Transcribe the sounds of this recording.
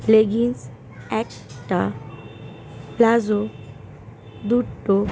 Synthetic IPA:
leɡins | ɛk | ʈa̰ | plazo | d̪uʈːo

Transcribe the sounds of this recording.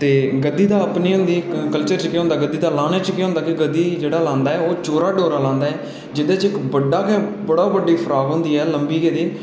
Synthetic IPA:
t̪eːɡəd̪ːiːd̪aːəpniːɦʊ̃nd̪iːkəlt͡ʃəɾt͡ʃkeːɦʊ̃nd̪aːɡəd̪ːiːd̪aːlaːneːt͡ʃkeɦõːnd̪aːkiɡəd̪ːiːd͡ʒeːɽaːlãːnd̪aːɛːoːt͡ʃoːɾaːɖoːɾaːlãːnd̪aːɛː | d͡ʒɪd̪eːt͡ʃɪkbəɖːaːkɛ̃ːbəɽaːbəɖːiːpʰɾaːɡɦʊ̃ːnd̪iːɛːləmbiːked̪iː

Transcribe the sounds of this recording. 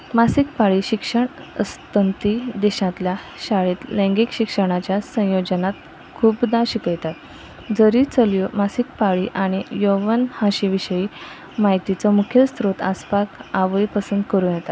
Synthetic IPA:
masikpaɭiːɕikʂəɳəst̪ənt̪id̪ɛɕãt̪ljaɕaɭet̪lẽŋɡikɕikʂəɽ̃at͡ɕjasə̃jod͡ʑənat̪ | kʰuːbd̪aɕikəjt̪at̪ | d͡zəɾiːt͡səljɔmasikpaɭiʔaɽ̃ijoʋənhãɕiʋiɕəi | maɦit̪it͡sɔmukʰjəst̪ɾot̪a̰spakaʋəjpəsənd̪kəɾuːjɛt̪at̪

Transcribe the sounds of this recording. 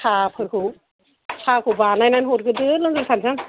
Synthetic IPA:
sʰapʰɯɾkʰɯw | sʰakʰɯwbanajnanɦɔɾɡɯdɯlɯŋɡɯɾsʰansʰam

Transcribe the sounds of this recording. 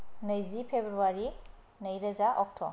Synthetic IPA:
nɐjzipʰebɾuaɾi | nɐjɾɐzaʔɔk̚tʰɔ̰

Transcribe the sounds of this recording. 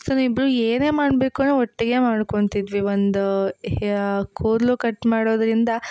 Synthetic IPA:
soːnibɾueːneːmaːɽbe̞ːkunuːɔʈːiɡe̞maːɽkoɳt̪id̪ʋiond̪u | kʰoːɾlukɐʈmaːɽoːd̪ɾind̪ɐ

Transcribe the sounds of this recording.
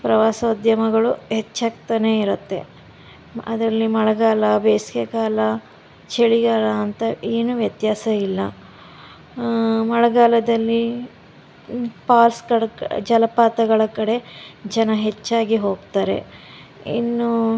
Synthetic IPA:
pɾɐʋaːsɐud̪jɐmɐɡɐɭuɦet͡ʃːaːkt̪ɐne̞ːiɾut̪ːe̞̰ | ɐd̪ɾɐlːimɐɭɐɡaːlɐbeːskekaːlɐ | t͡ʃeɭiɡaːlɐːnt̪ɐeːnuʋjɐt̪jaːsɐilːɐ | mɐɭɐɡaːlɐd̪ɐlːi | paːlskɐɽɐd͡ʒɐlɐpaːt̪ɐɡɐɭɐkɐɽe̞d͡ʒɐnɐɦe̞t͡ʃːaːɡiɦo̞ːɡt̪aːɾe̞̰ | ḭnːu

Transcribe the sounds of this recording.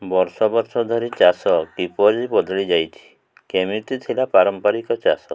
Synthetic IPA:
bɔɾsɔbɔɾsɔd̪ʱɔɾit͡ʃasɔkipɔɾibɔd̪ʱɭid͡ʒajt̪ʰi̥ | kemit̪it̪ʰilapaɾɔmpaɾikɔt͡ʃa̰sɔ

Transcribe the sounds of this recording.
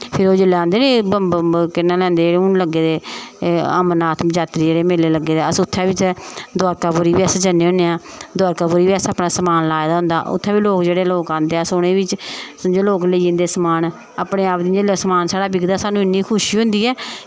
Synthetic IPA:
pʰɪɾoːd͡ʒolãːnd̪eːnẽːbəkɪnːãːlɛ̃ːnd̪eːd͡ʒeːɽeːʊnləɡːeːd̪eː | əmənaːt̪ʰmd͡ʒaːt̪ɾiːd͡ʒeːɽeːmeːleːləɡːeːd̪eːəsʊt̪ʰːɛːbit͡ʃːd̪aːɾkaːbʊɾiːbiɛsd͡ʒənːeːɦõneːaːd̪aːɾkaːbʊːɾiːʋiɛːsaːpnaːsəmaːnlaːed̪aːɦʊ̃nd̪a̰ːʔʊ̰t̪ʰːɛːbiːloːkd͡ʒeːɽeːloːkãːnd̪eːasoɽ̃ẽːʋɪt͡ʃd͡ʒoloːkləĩnd̪eːsəmaːn | apɽeːaːpd̪iːd͡ʒeːlːsəmaːnsaːɽaːbɪɡd̪aːsaːnũːɪnːiːkʰʊʃiːɦʊ̃nd̪iːɛː

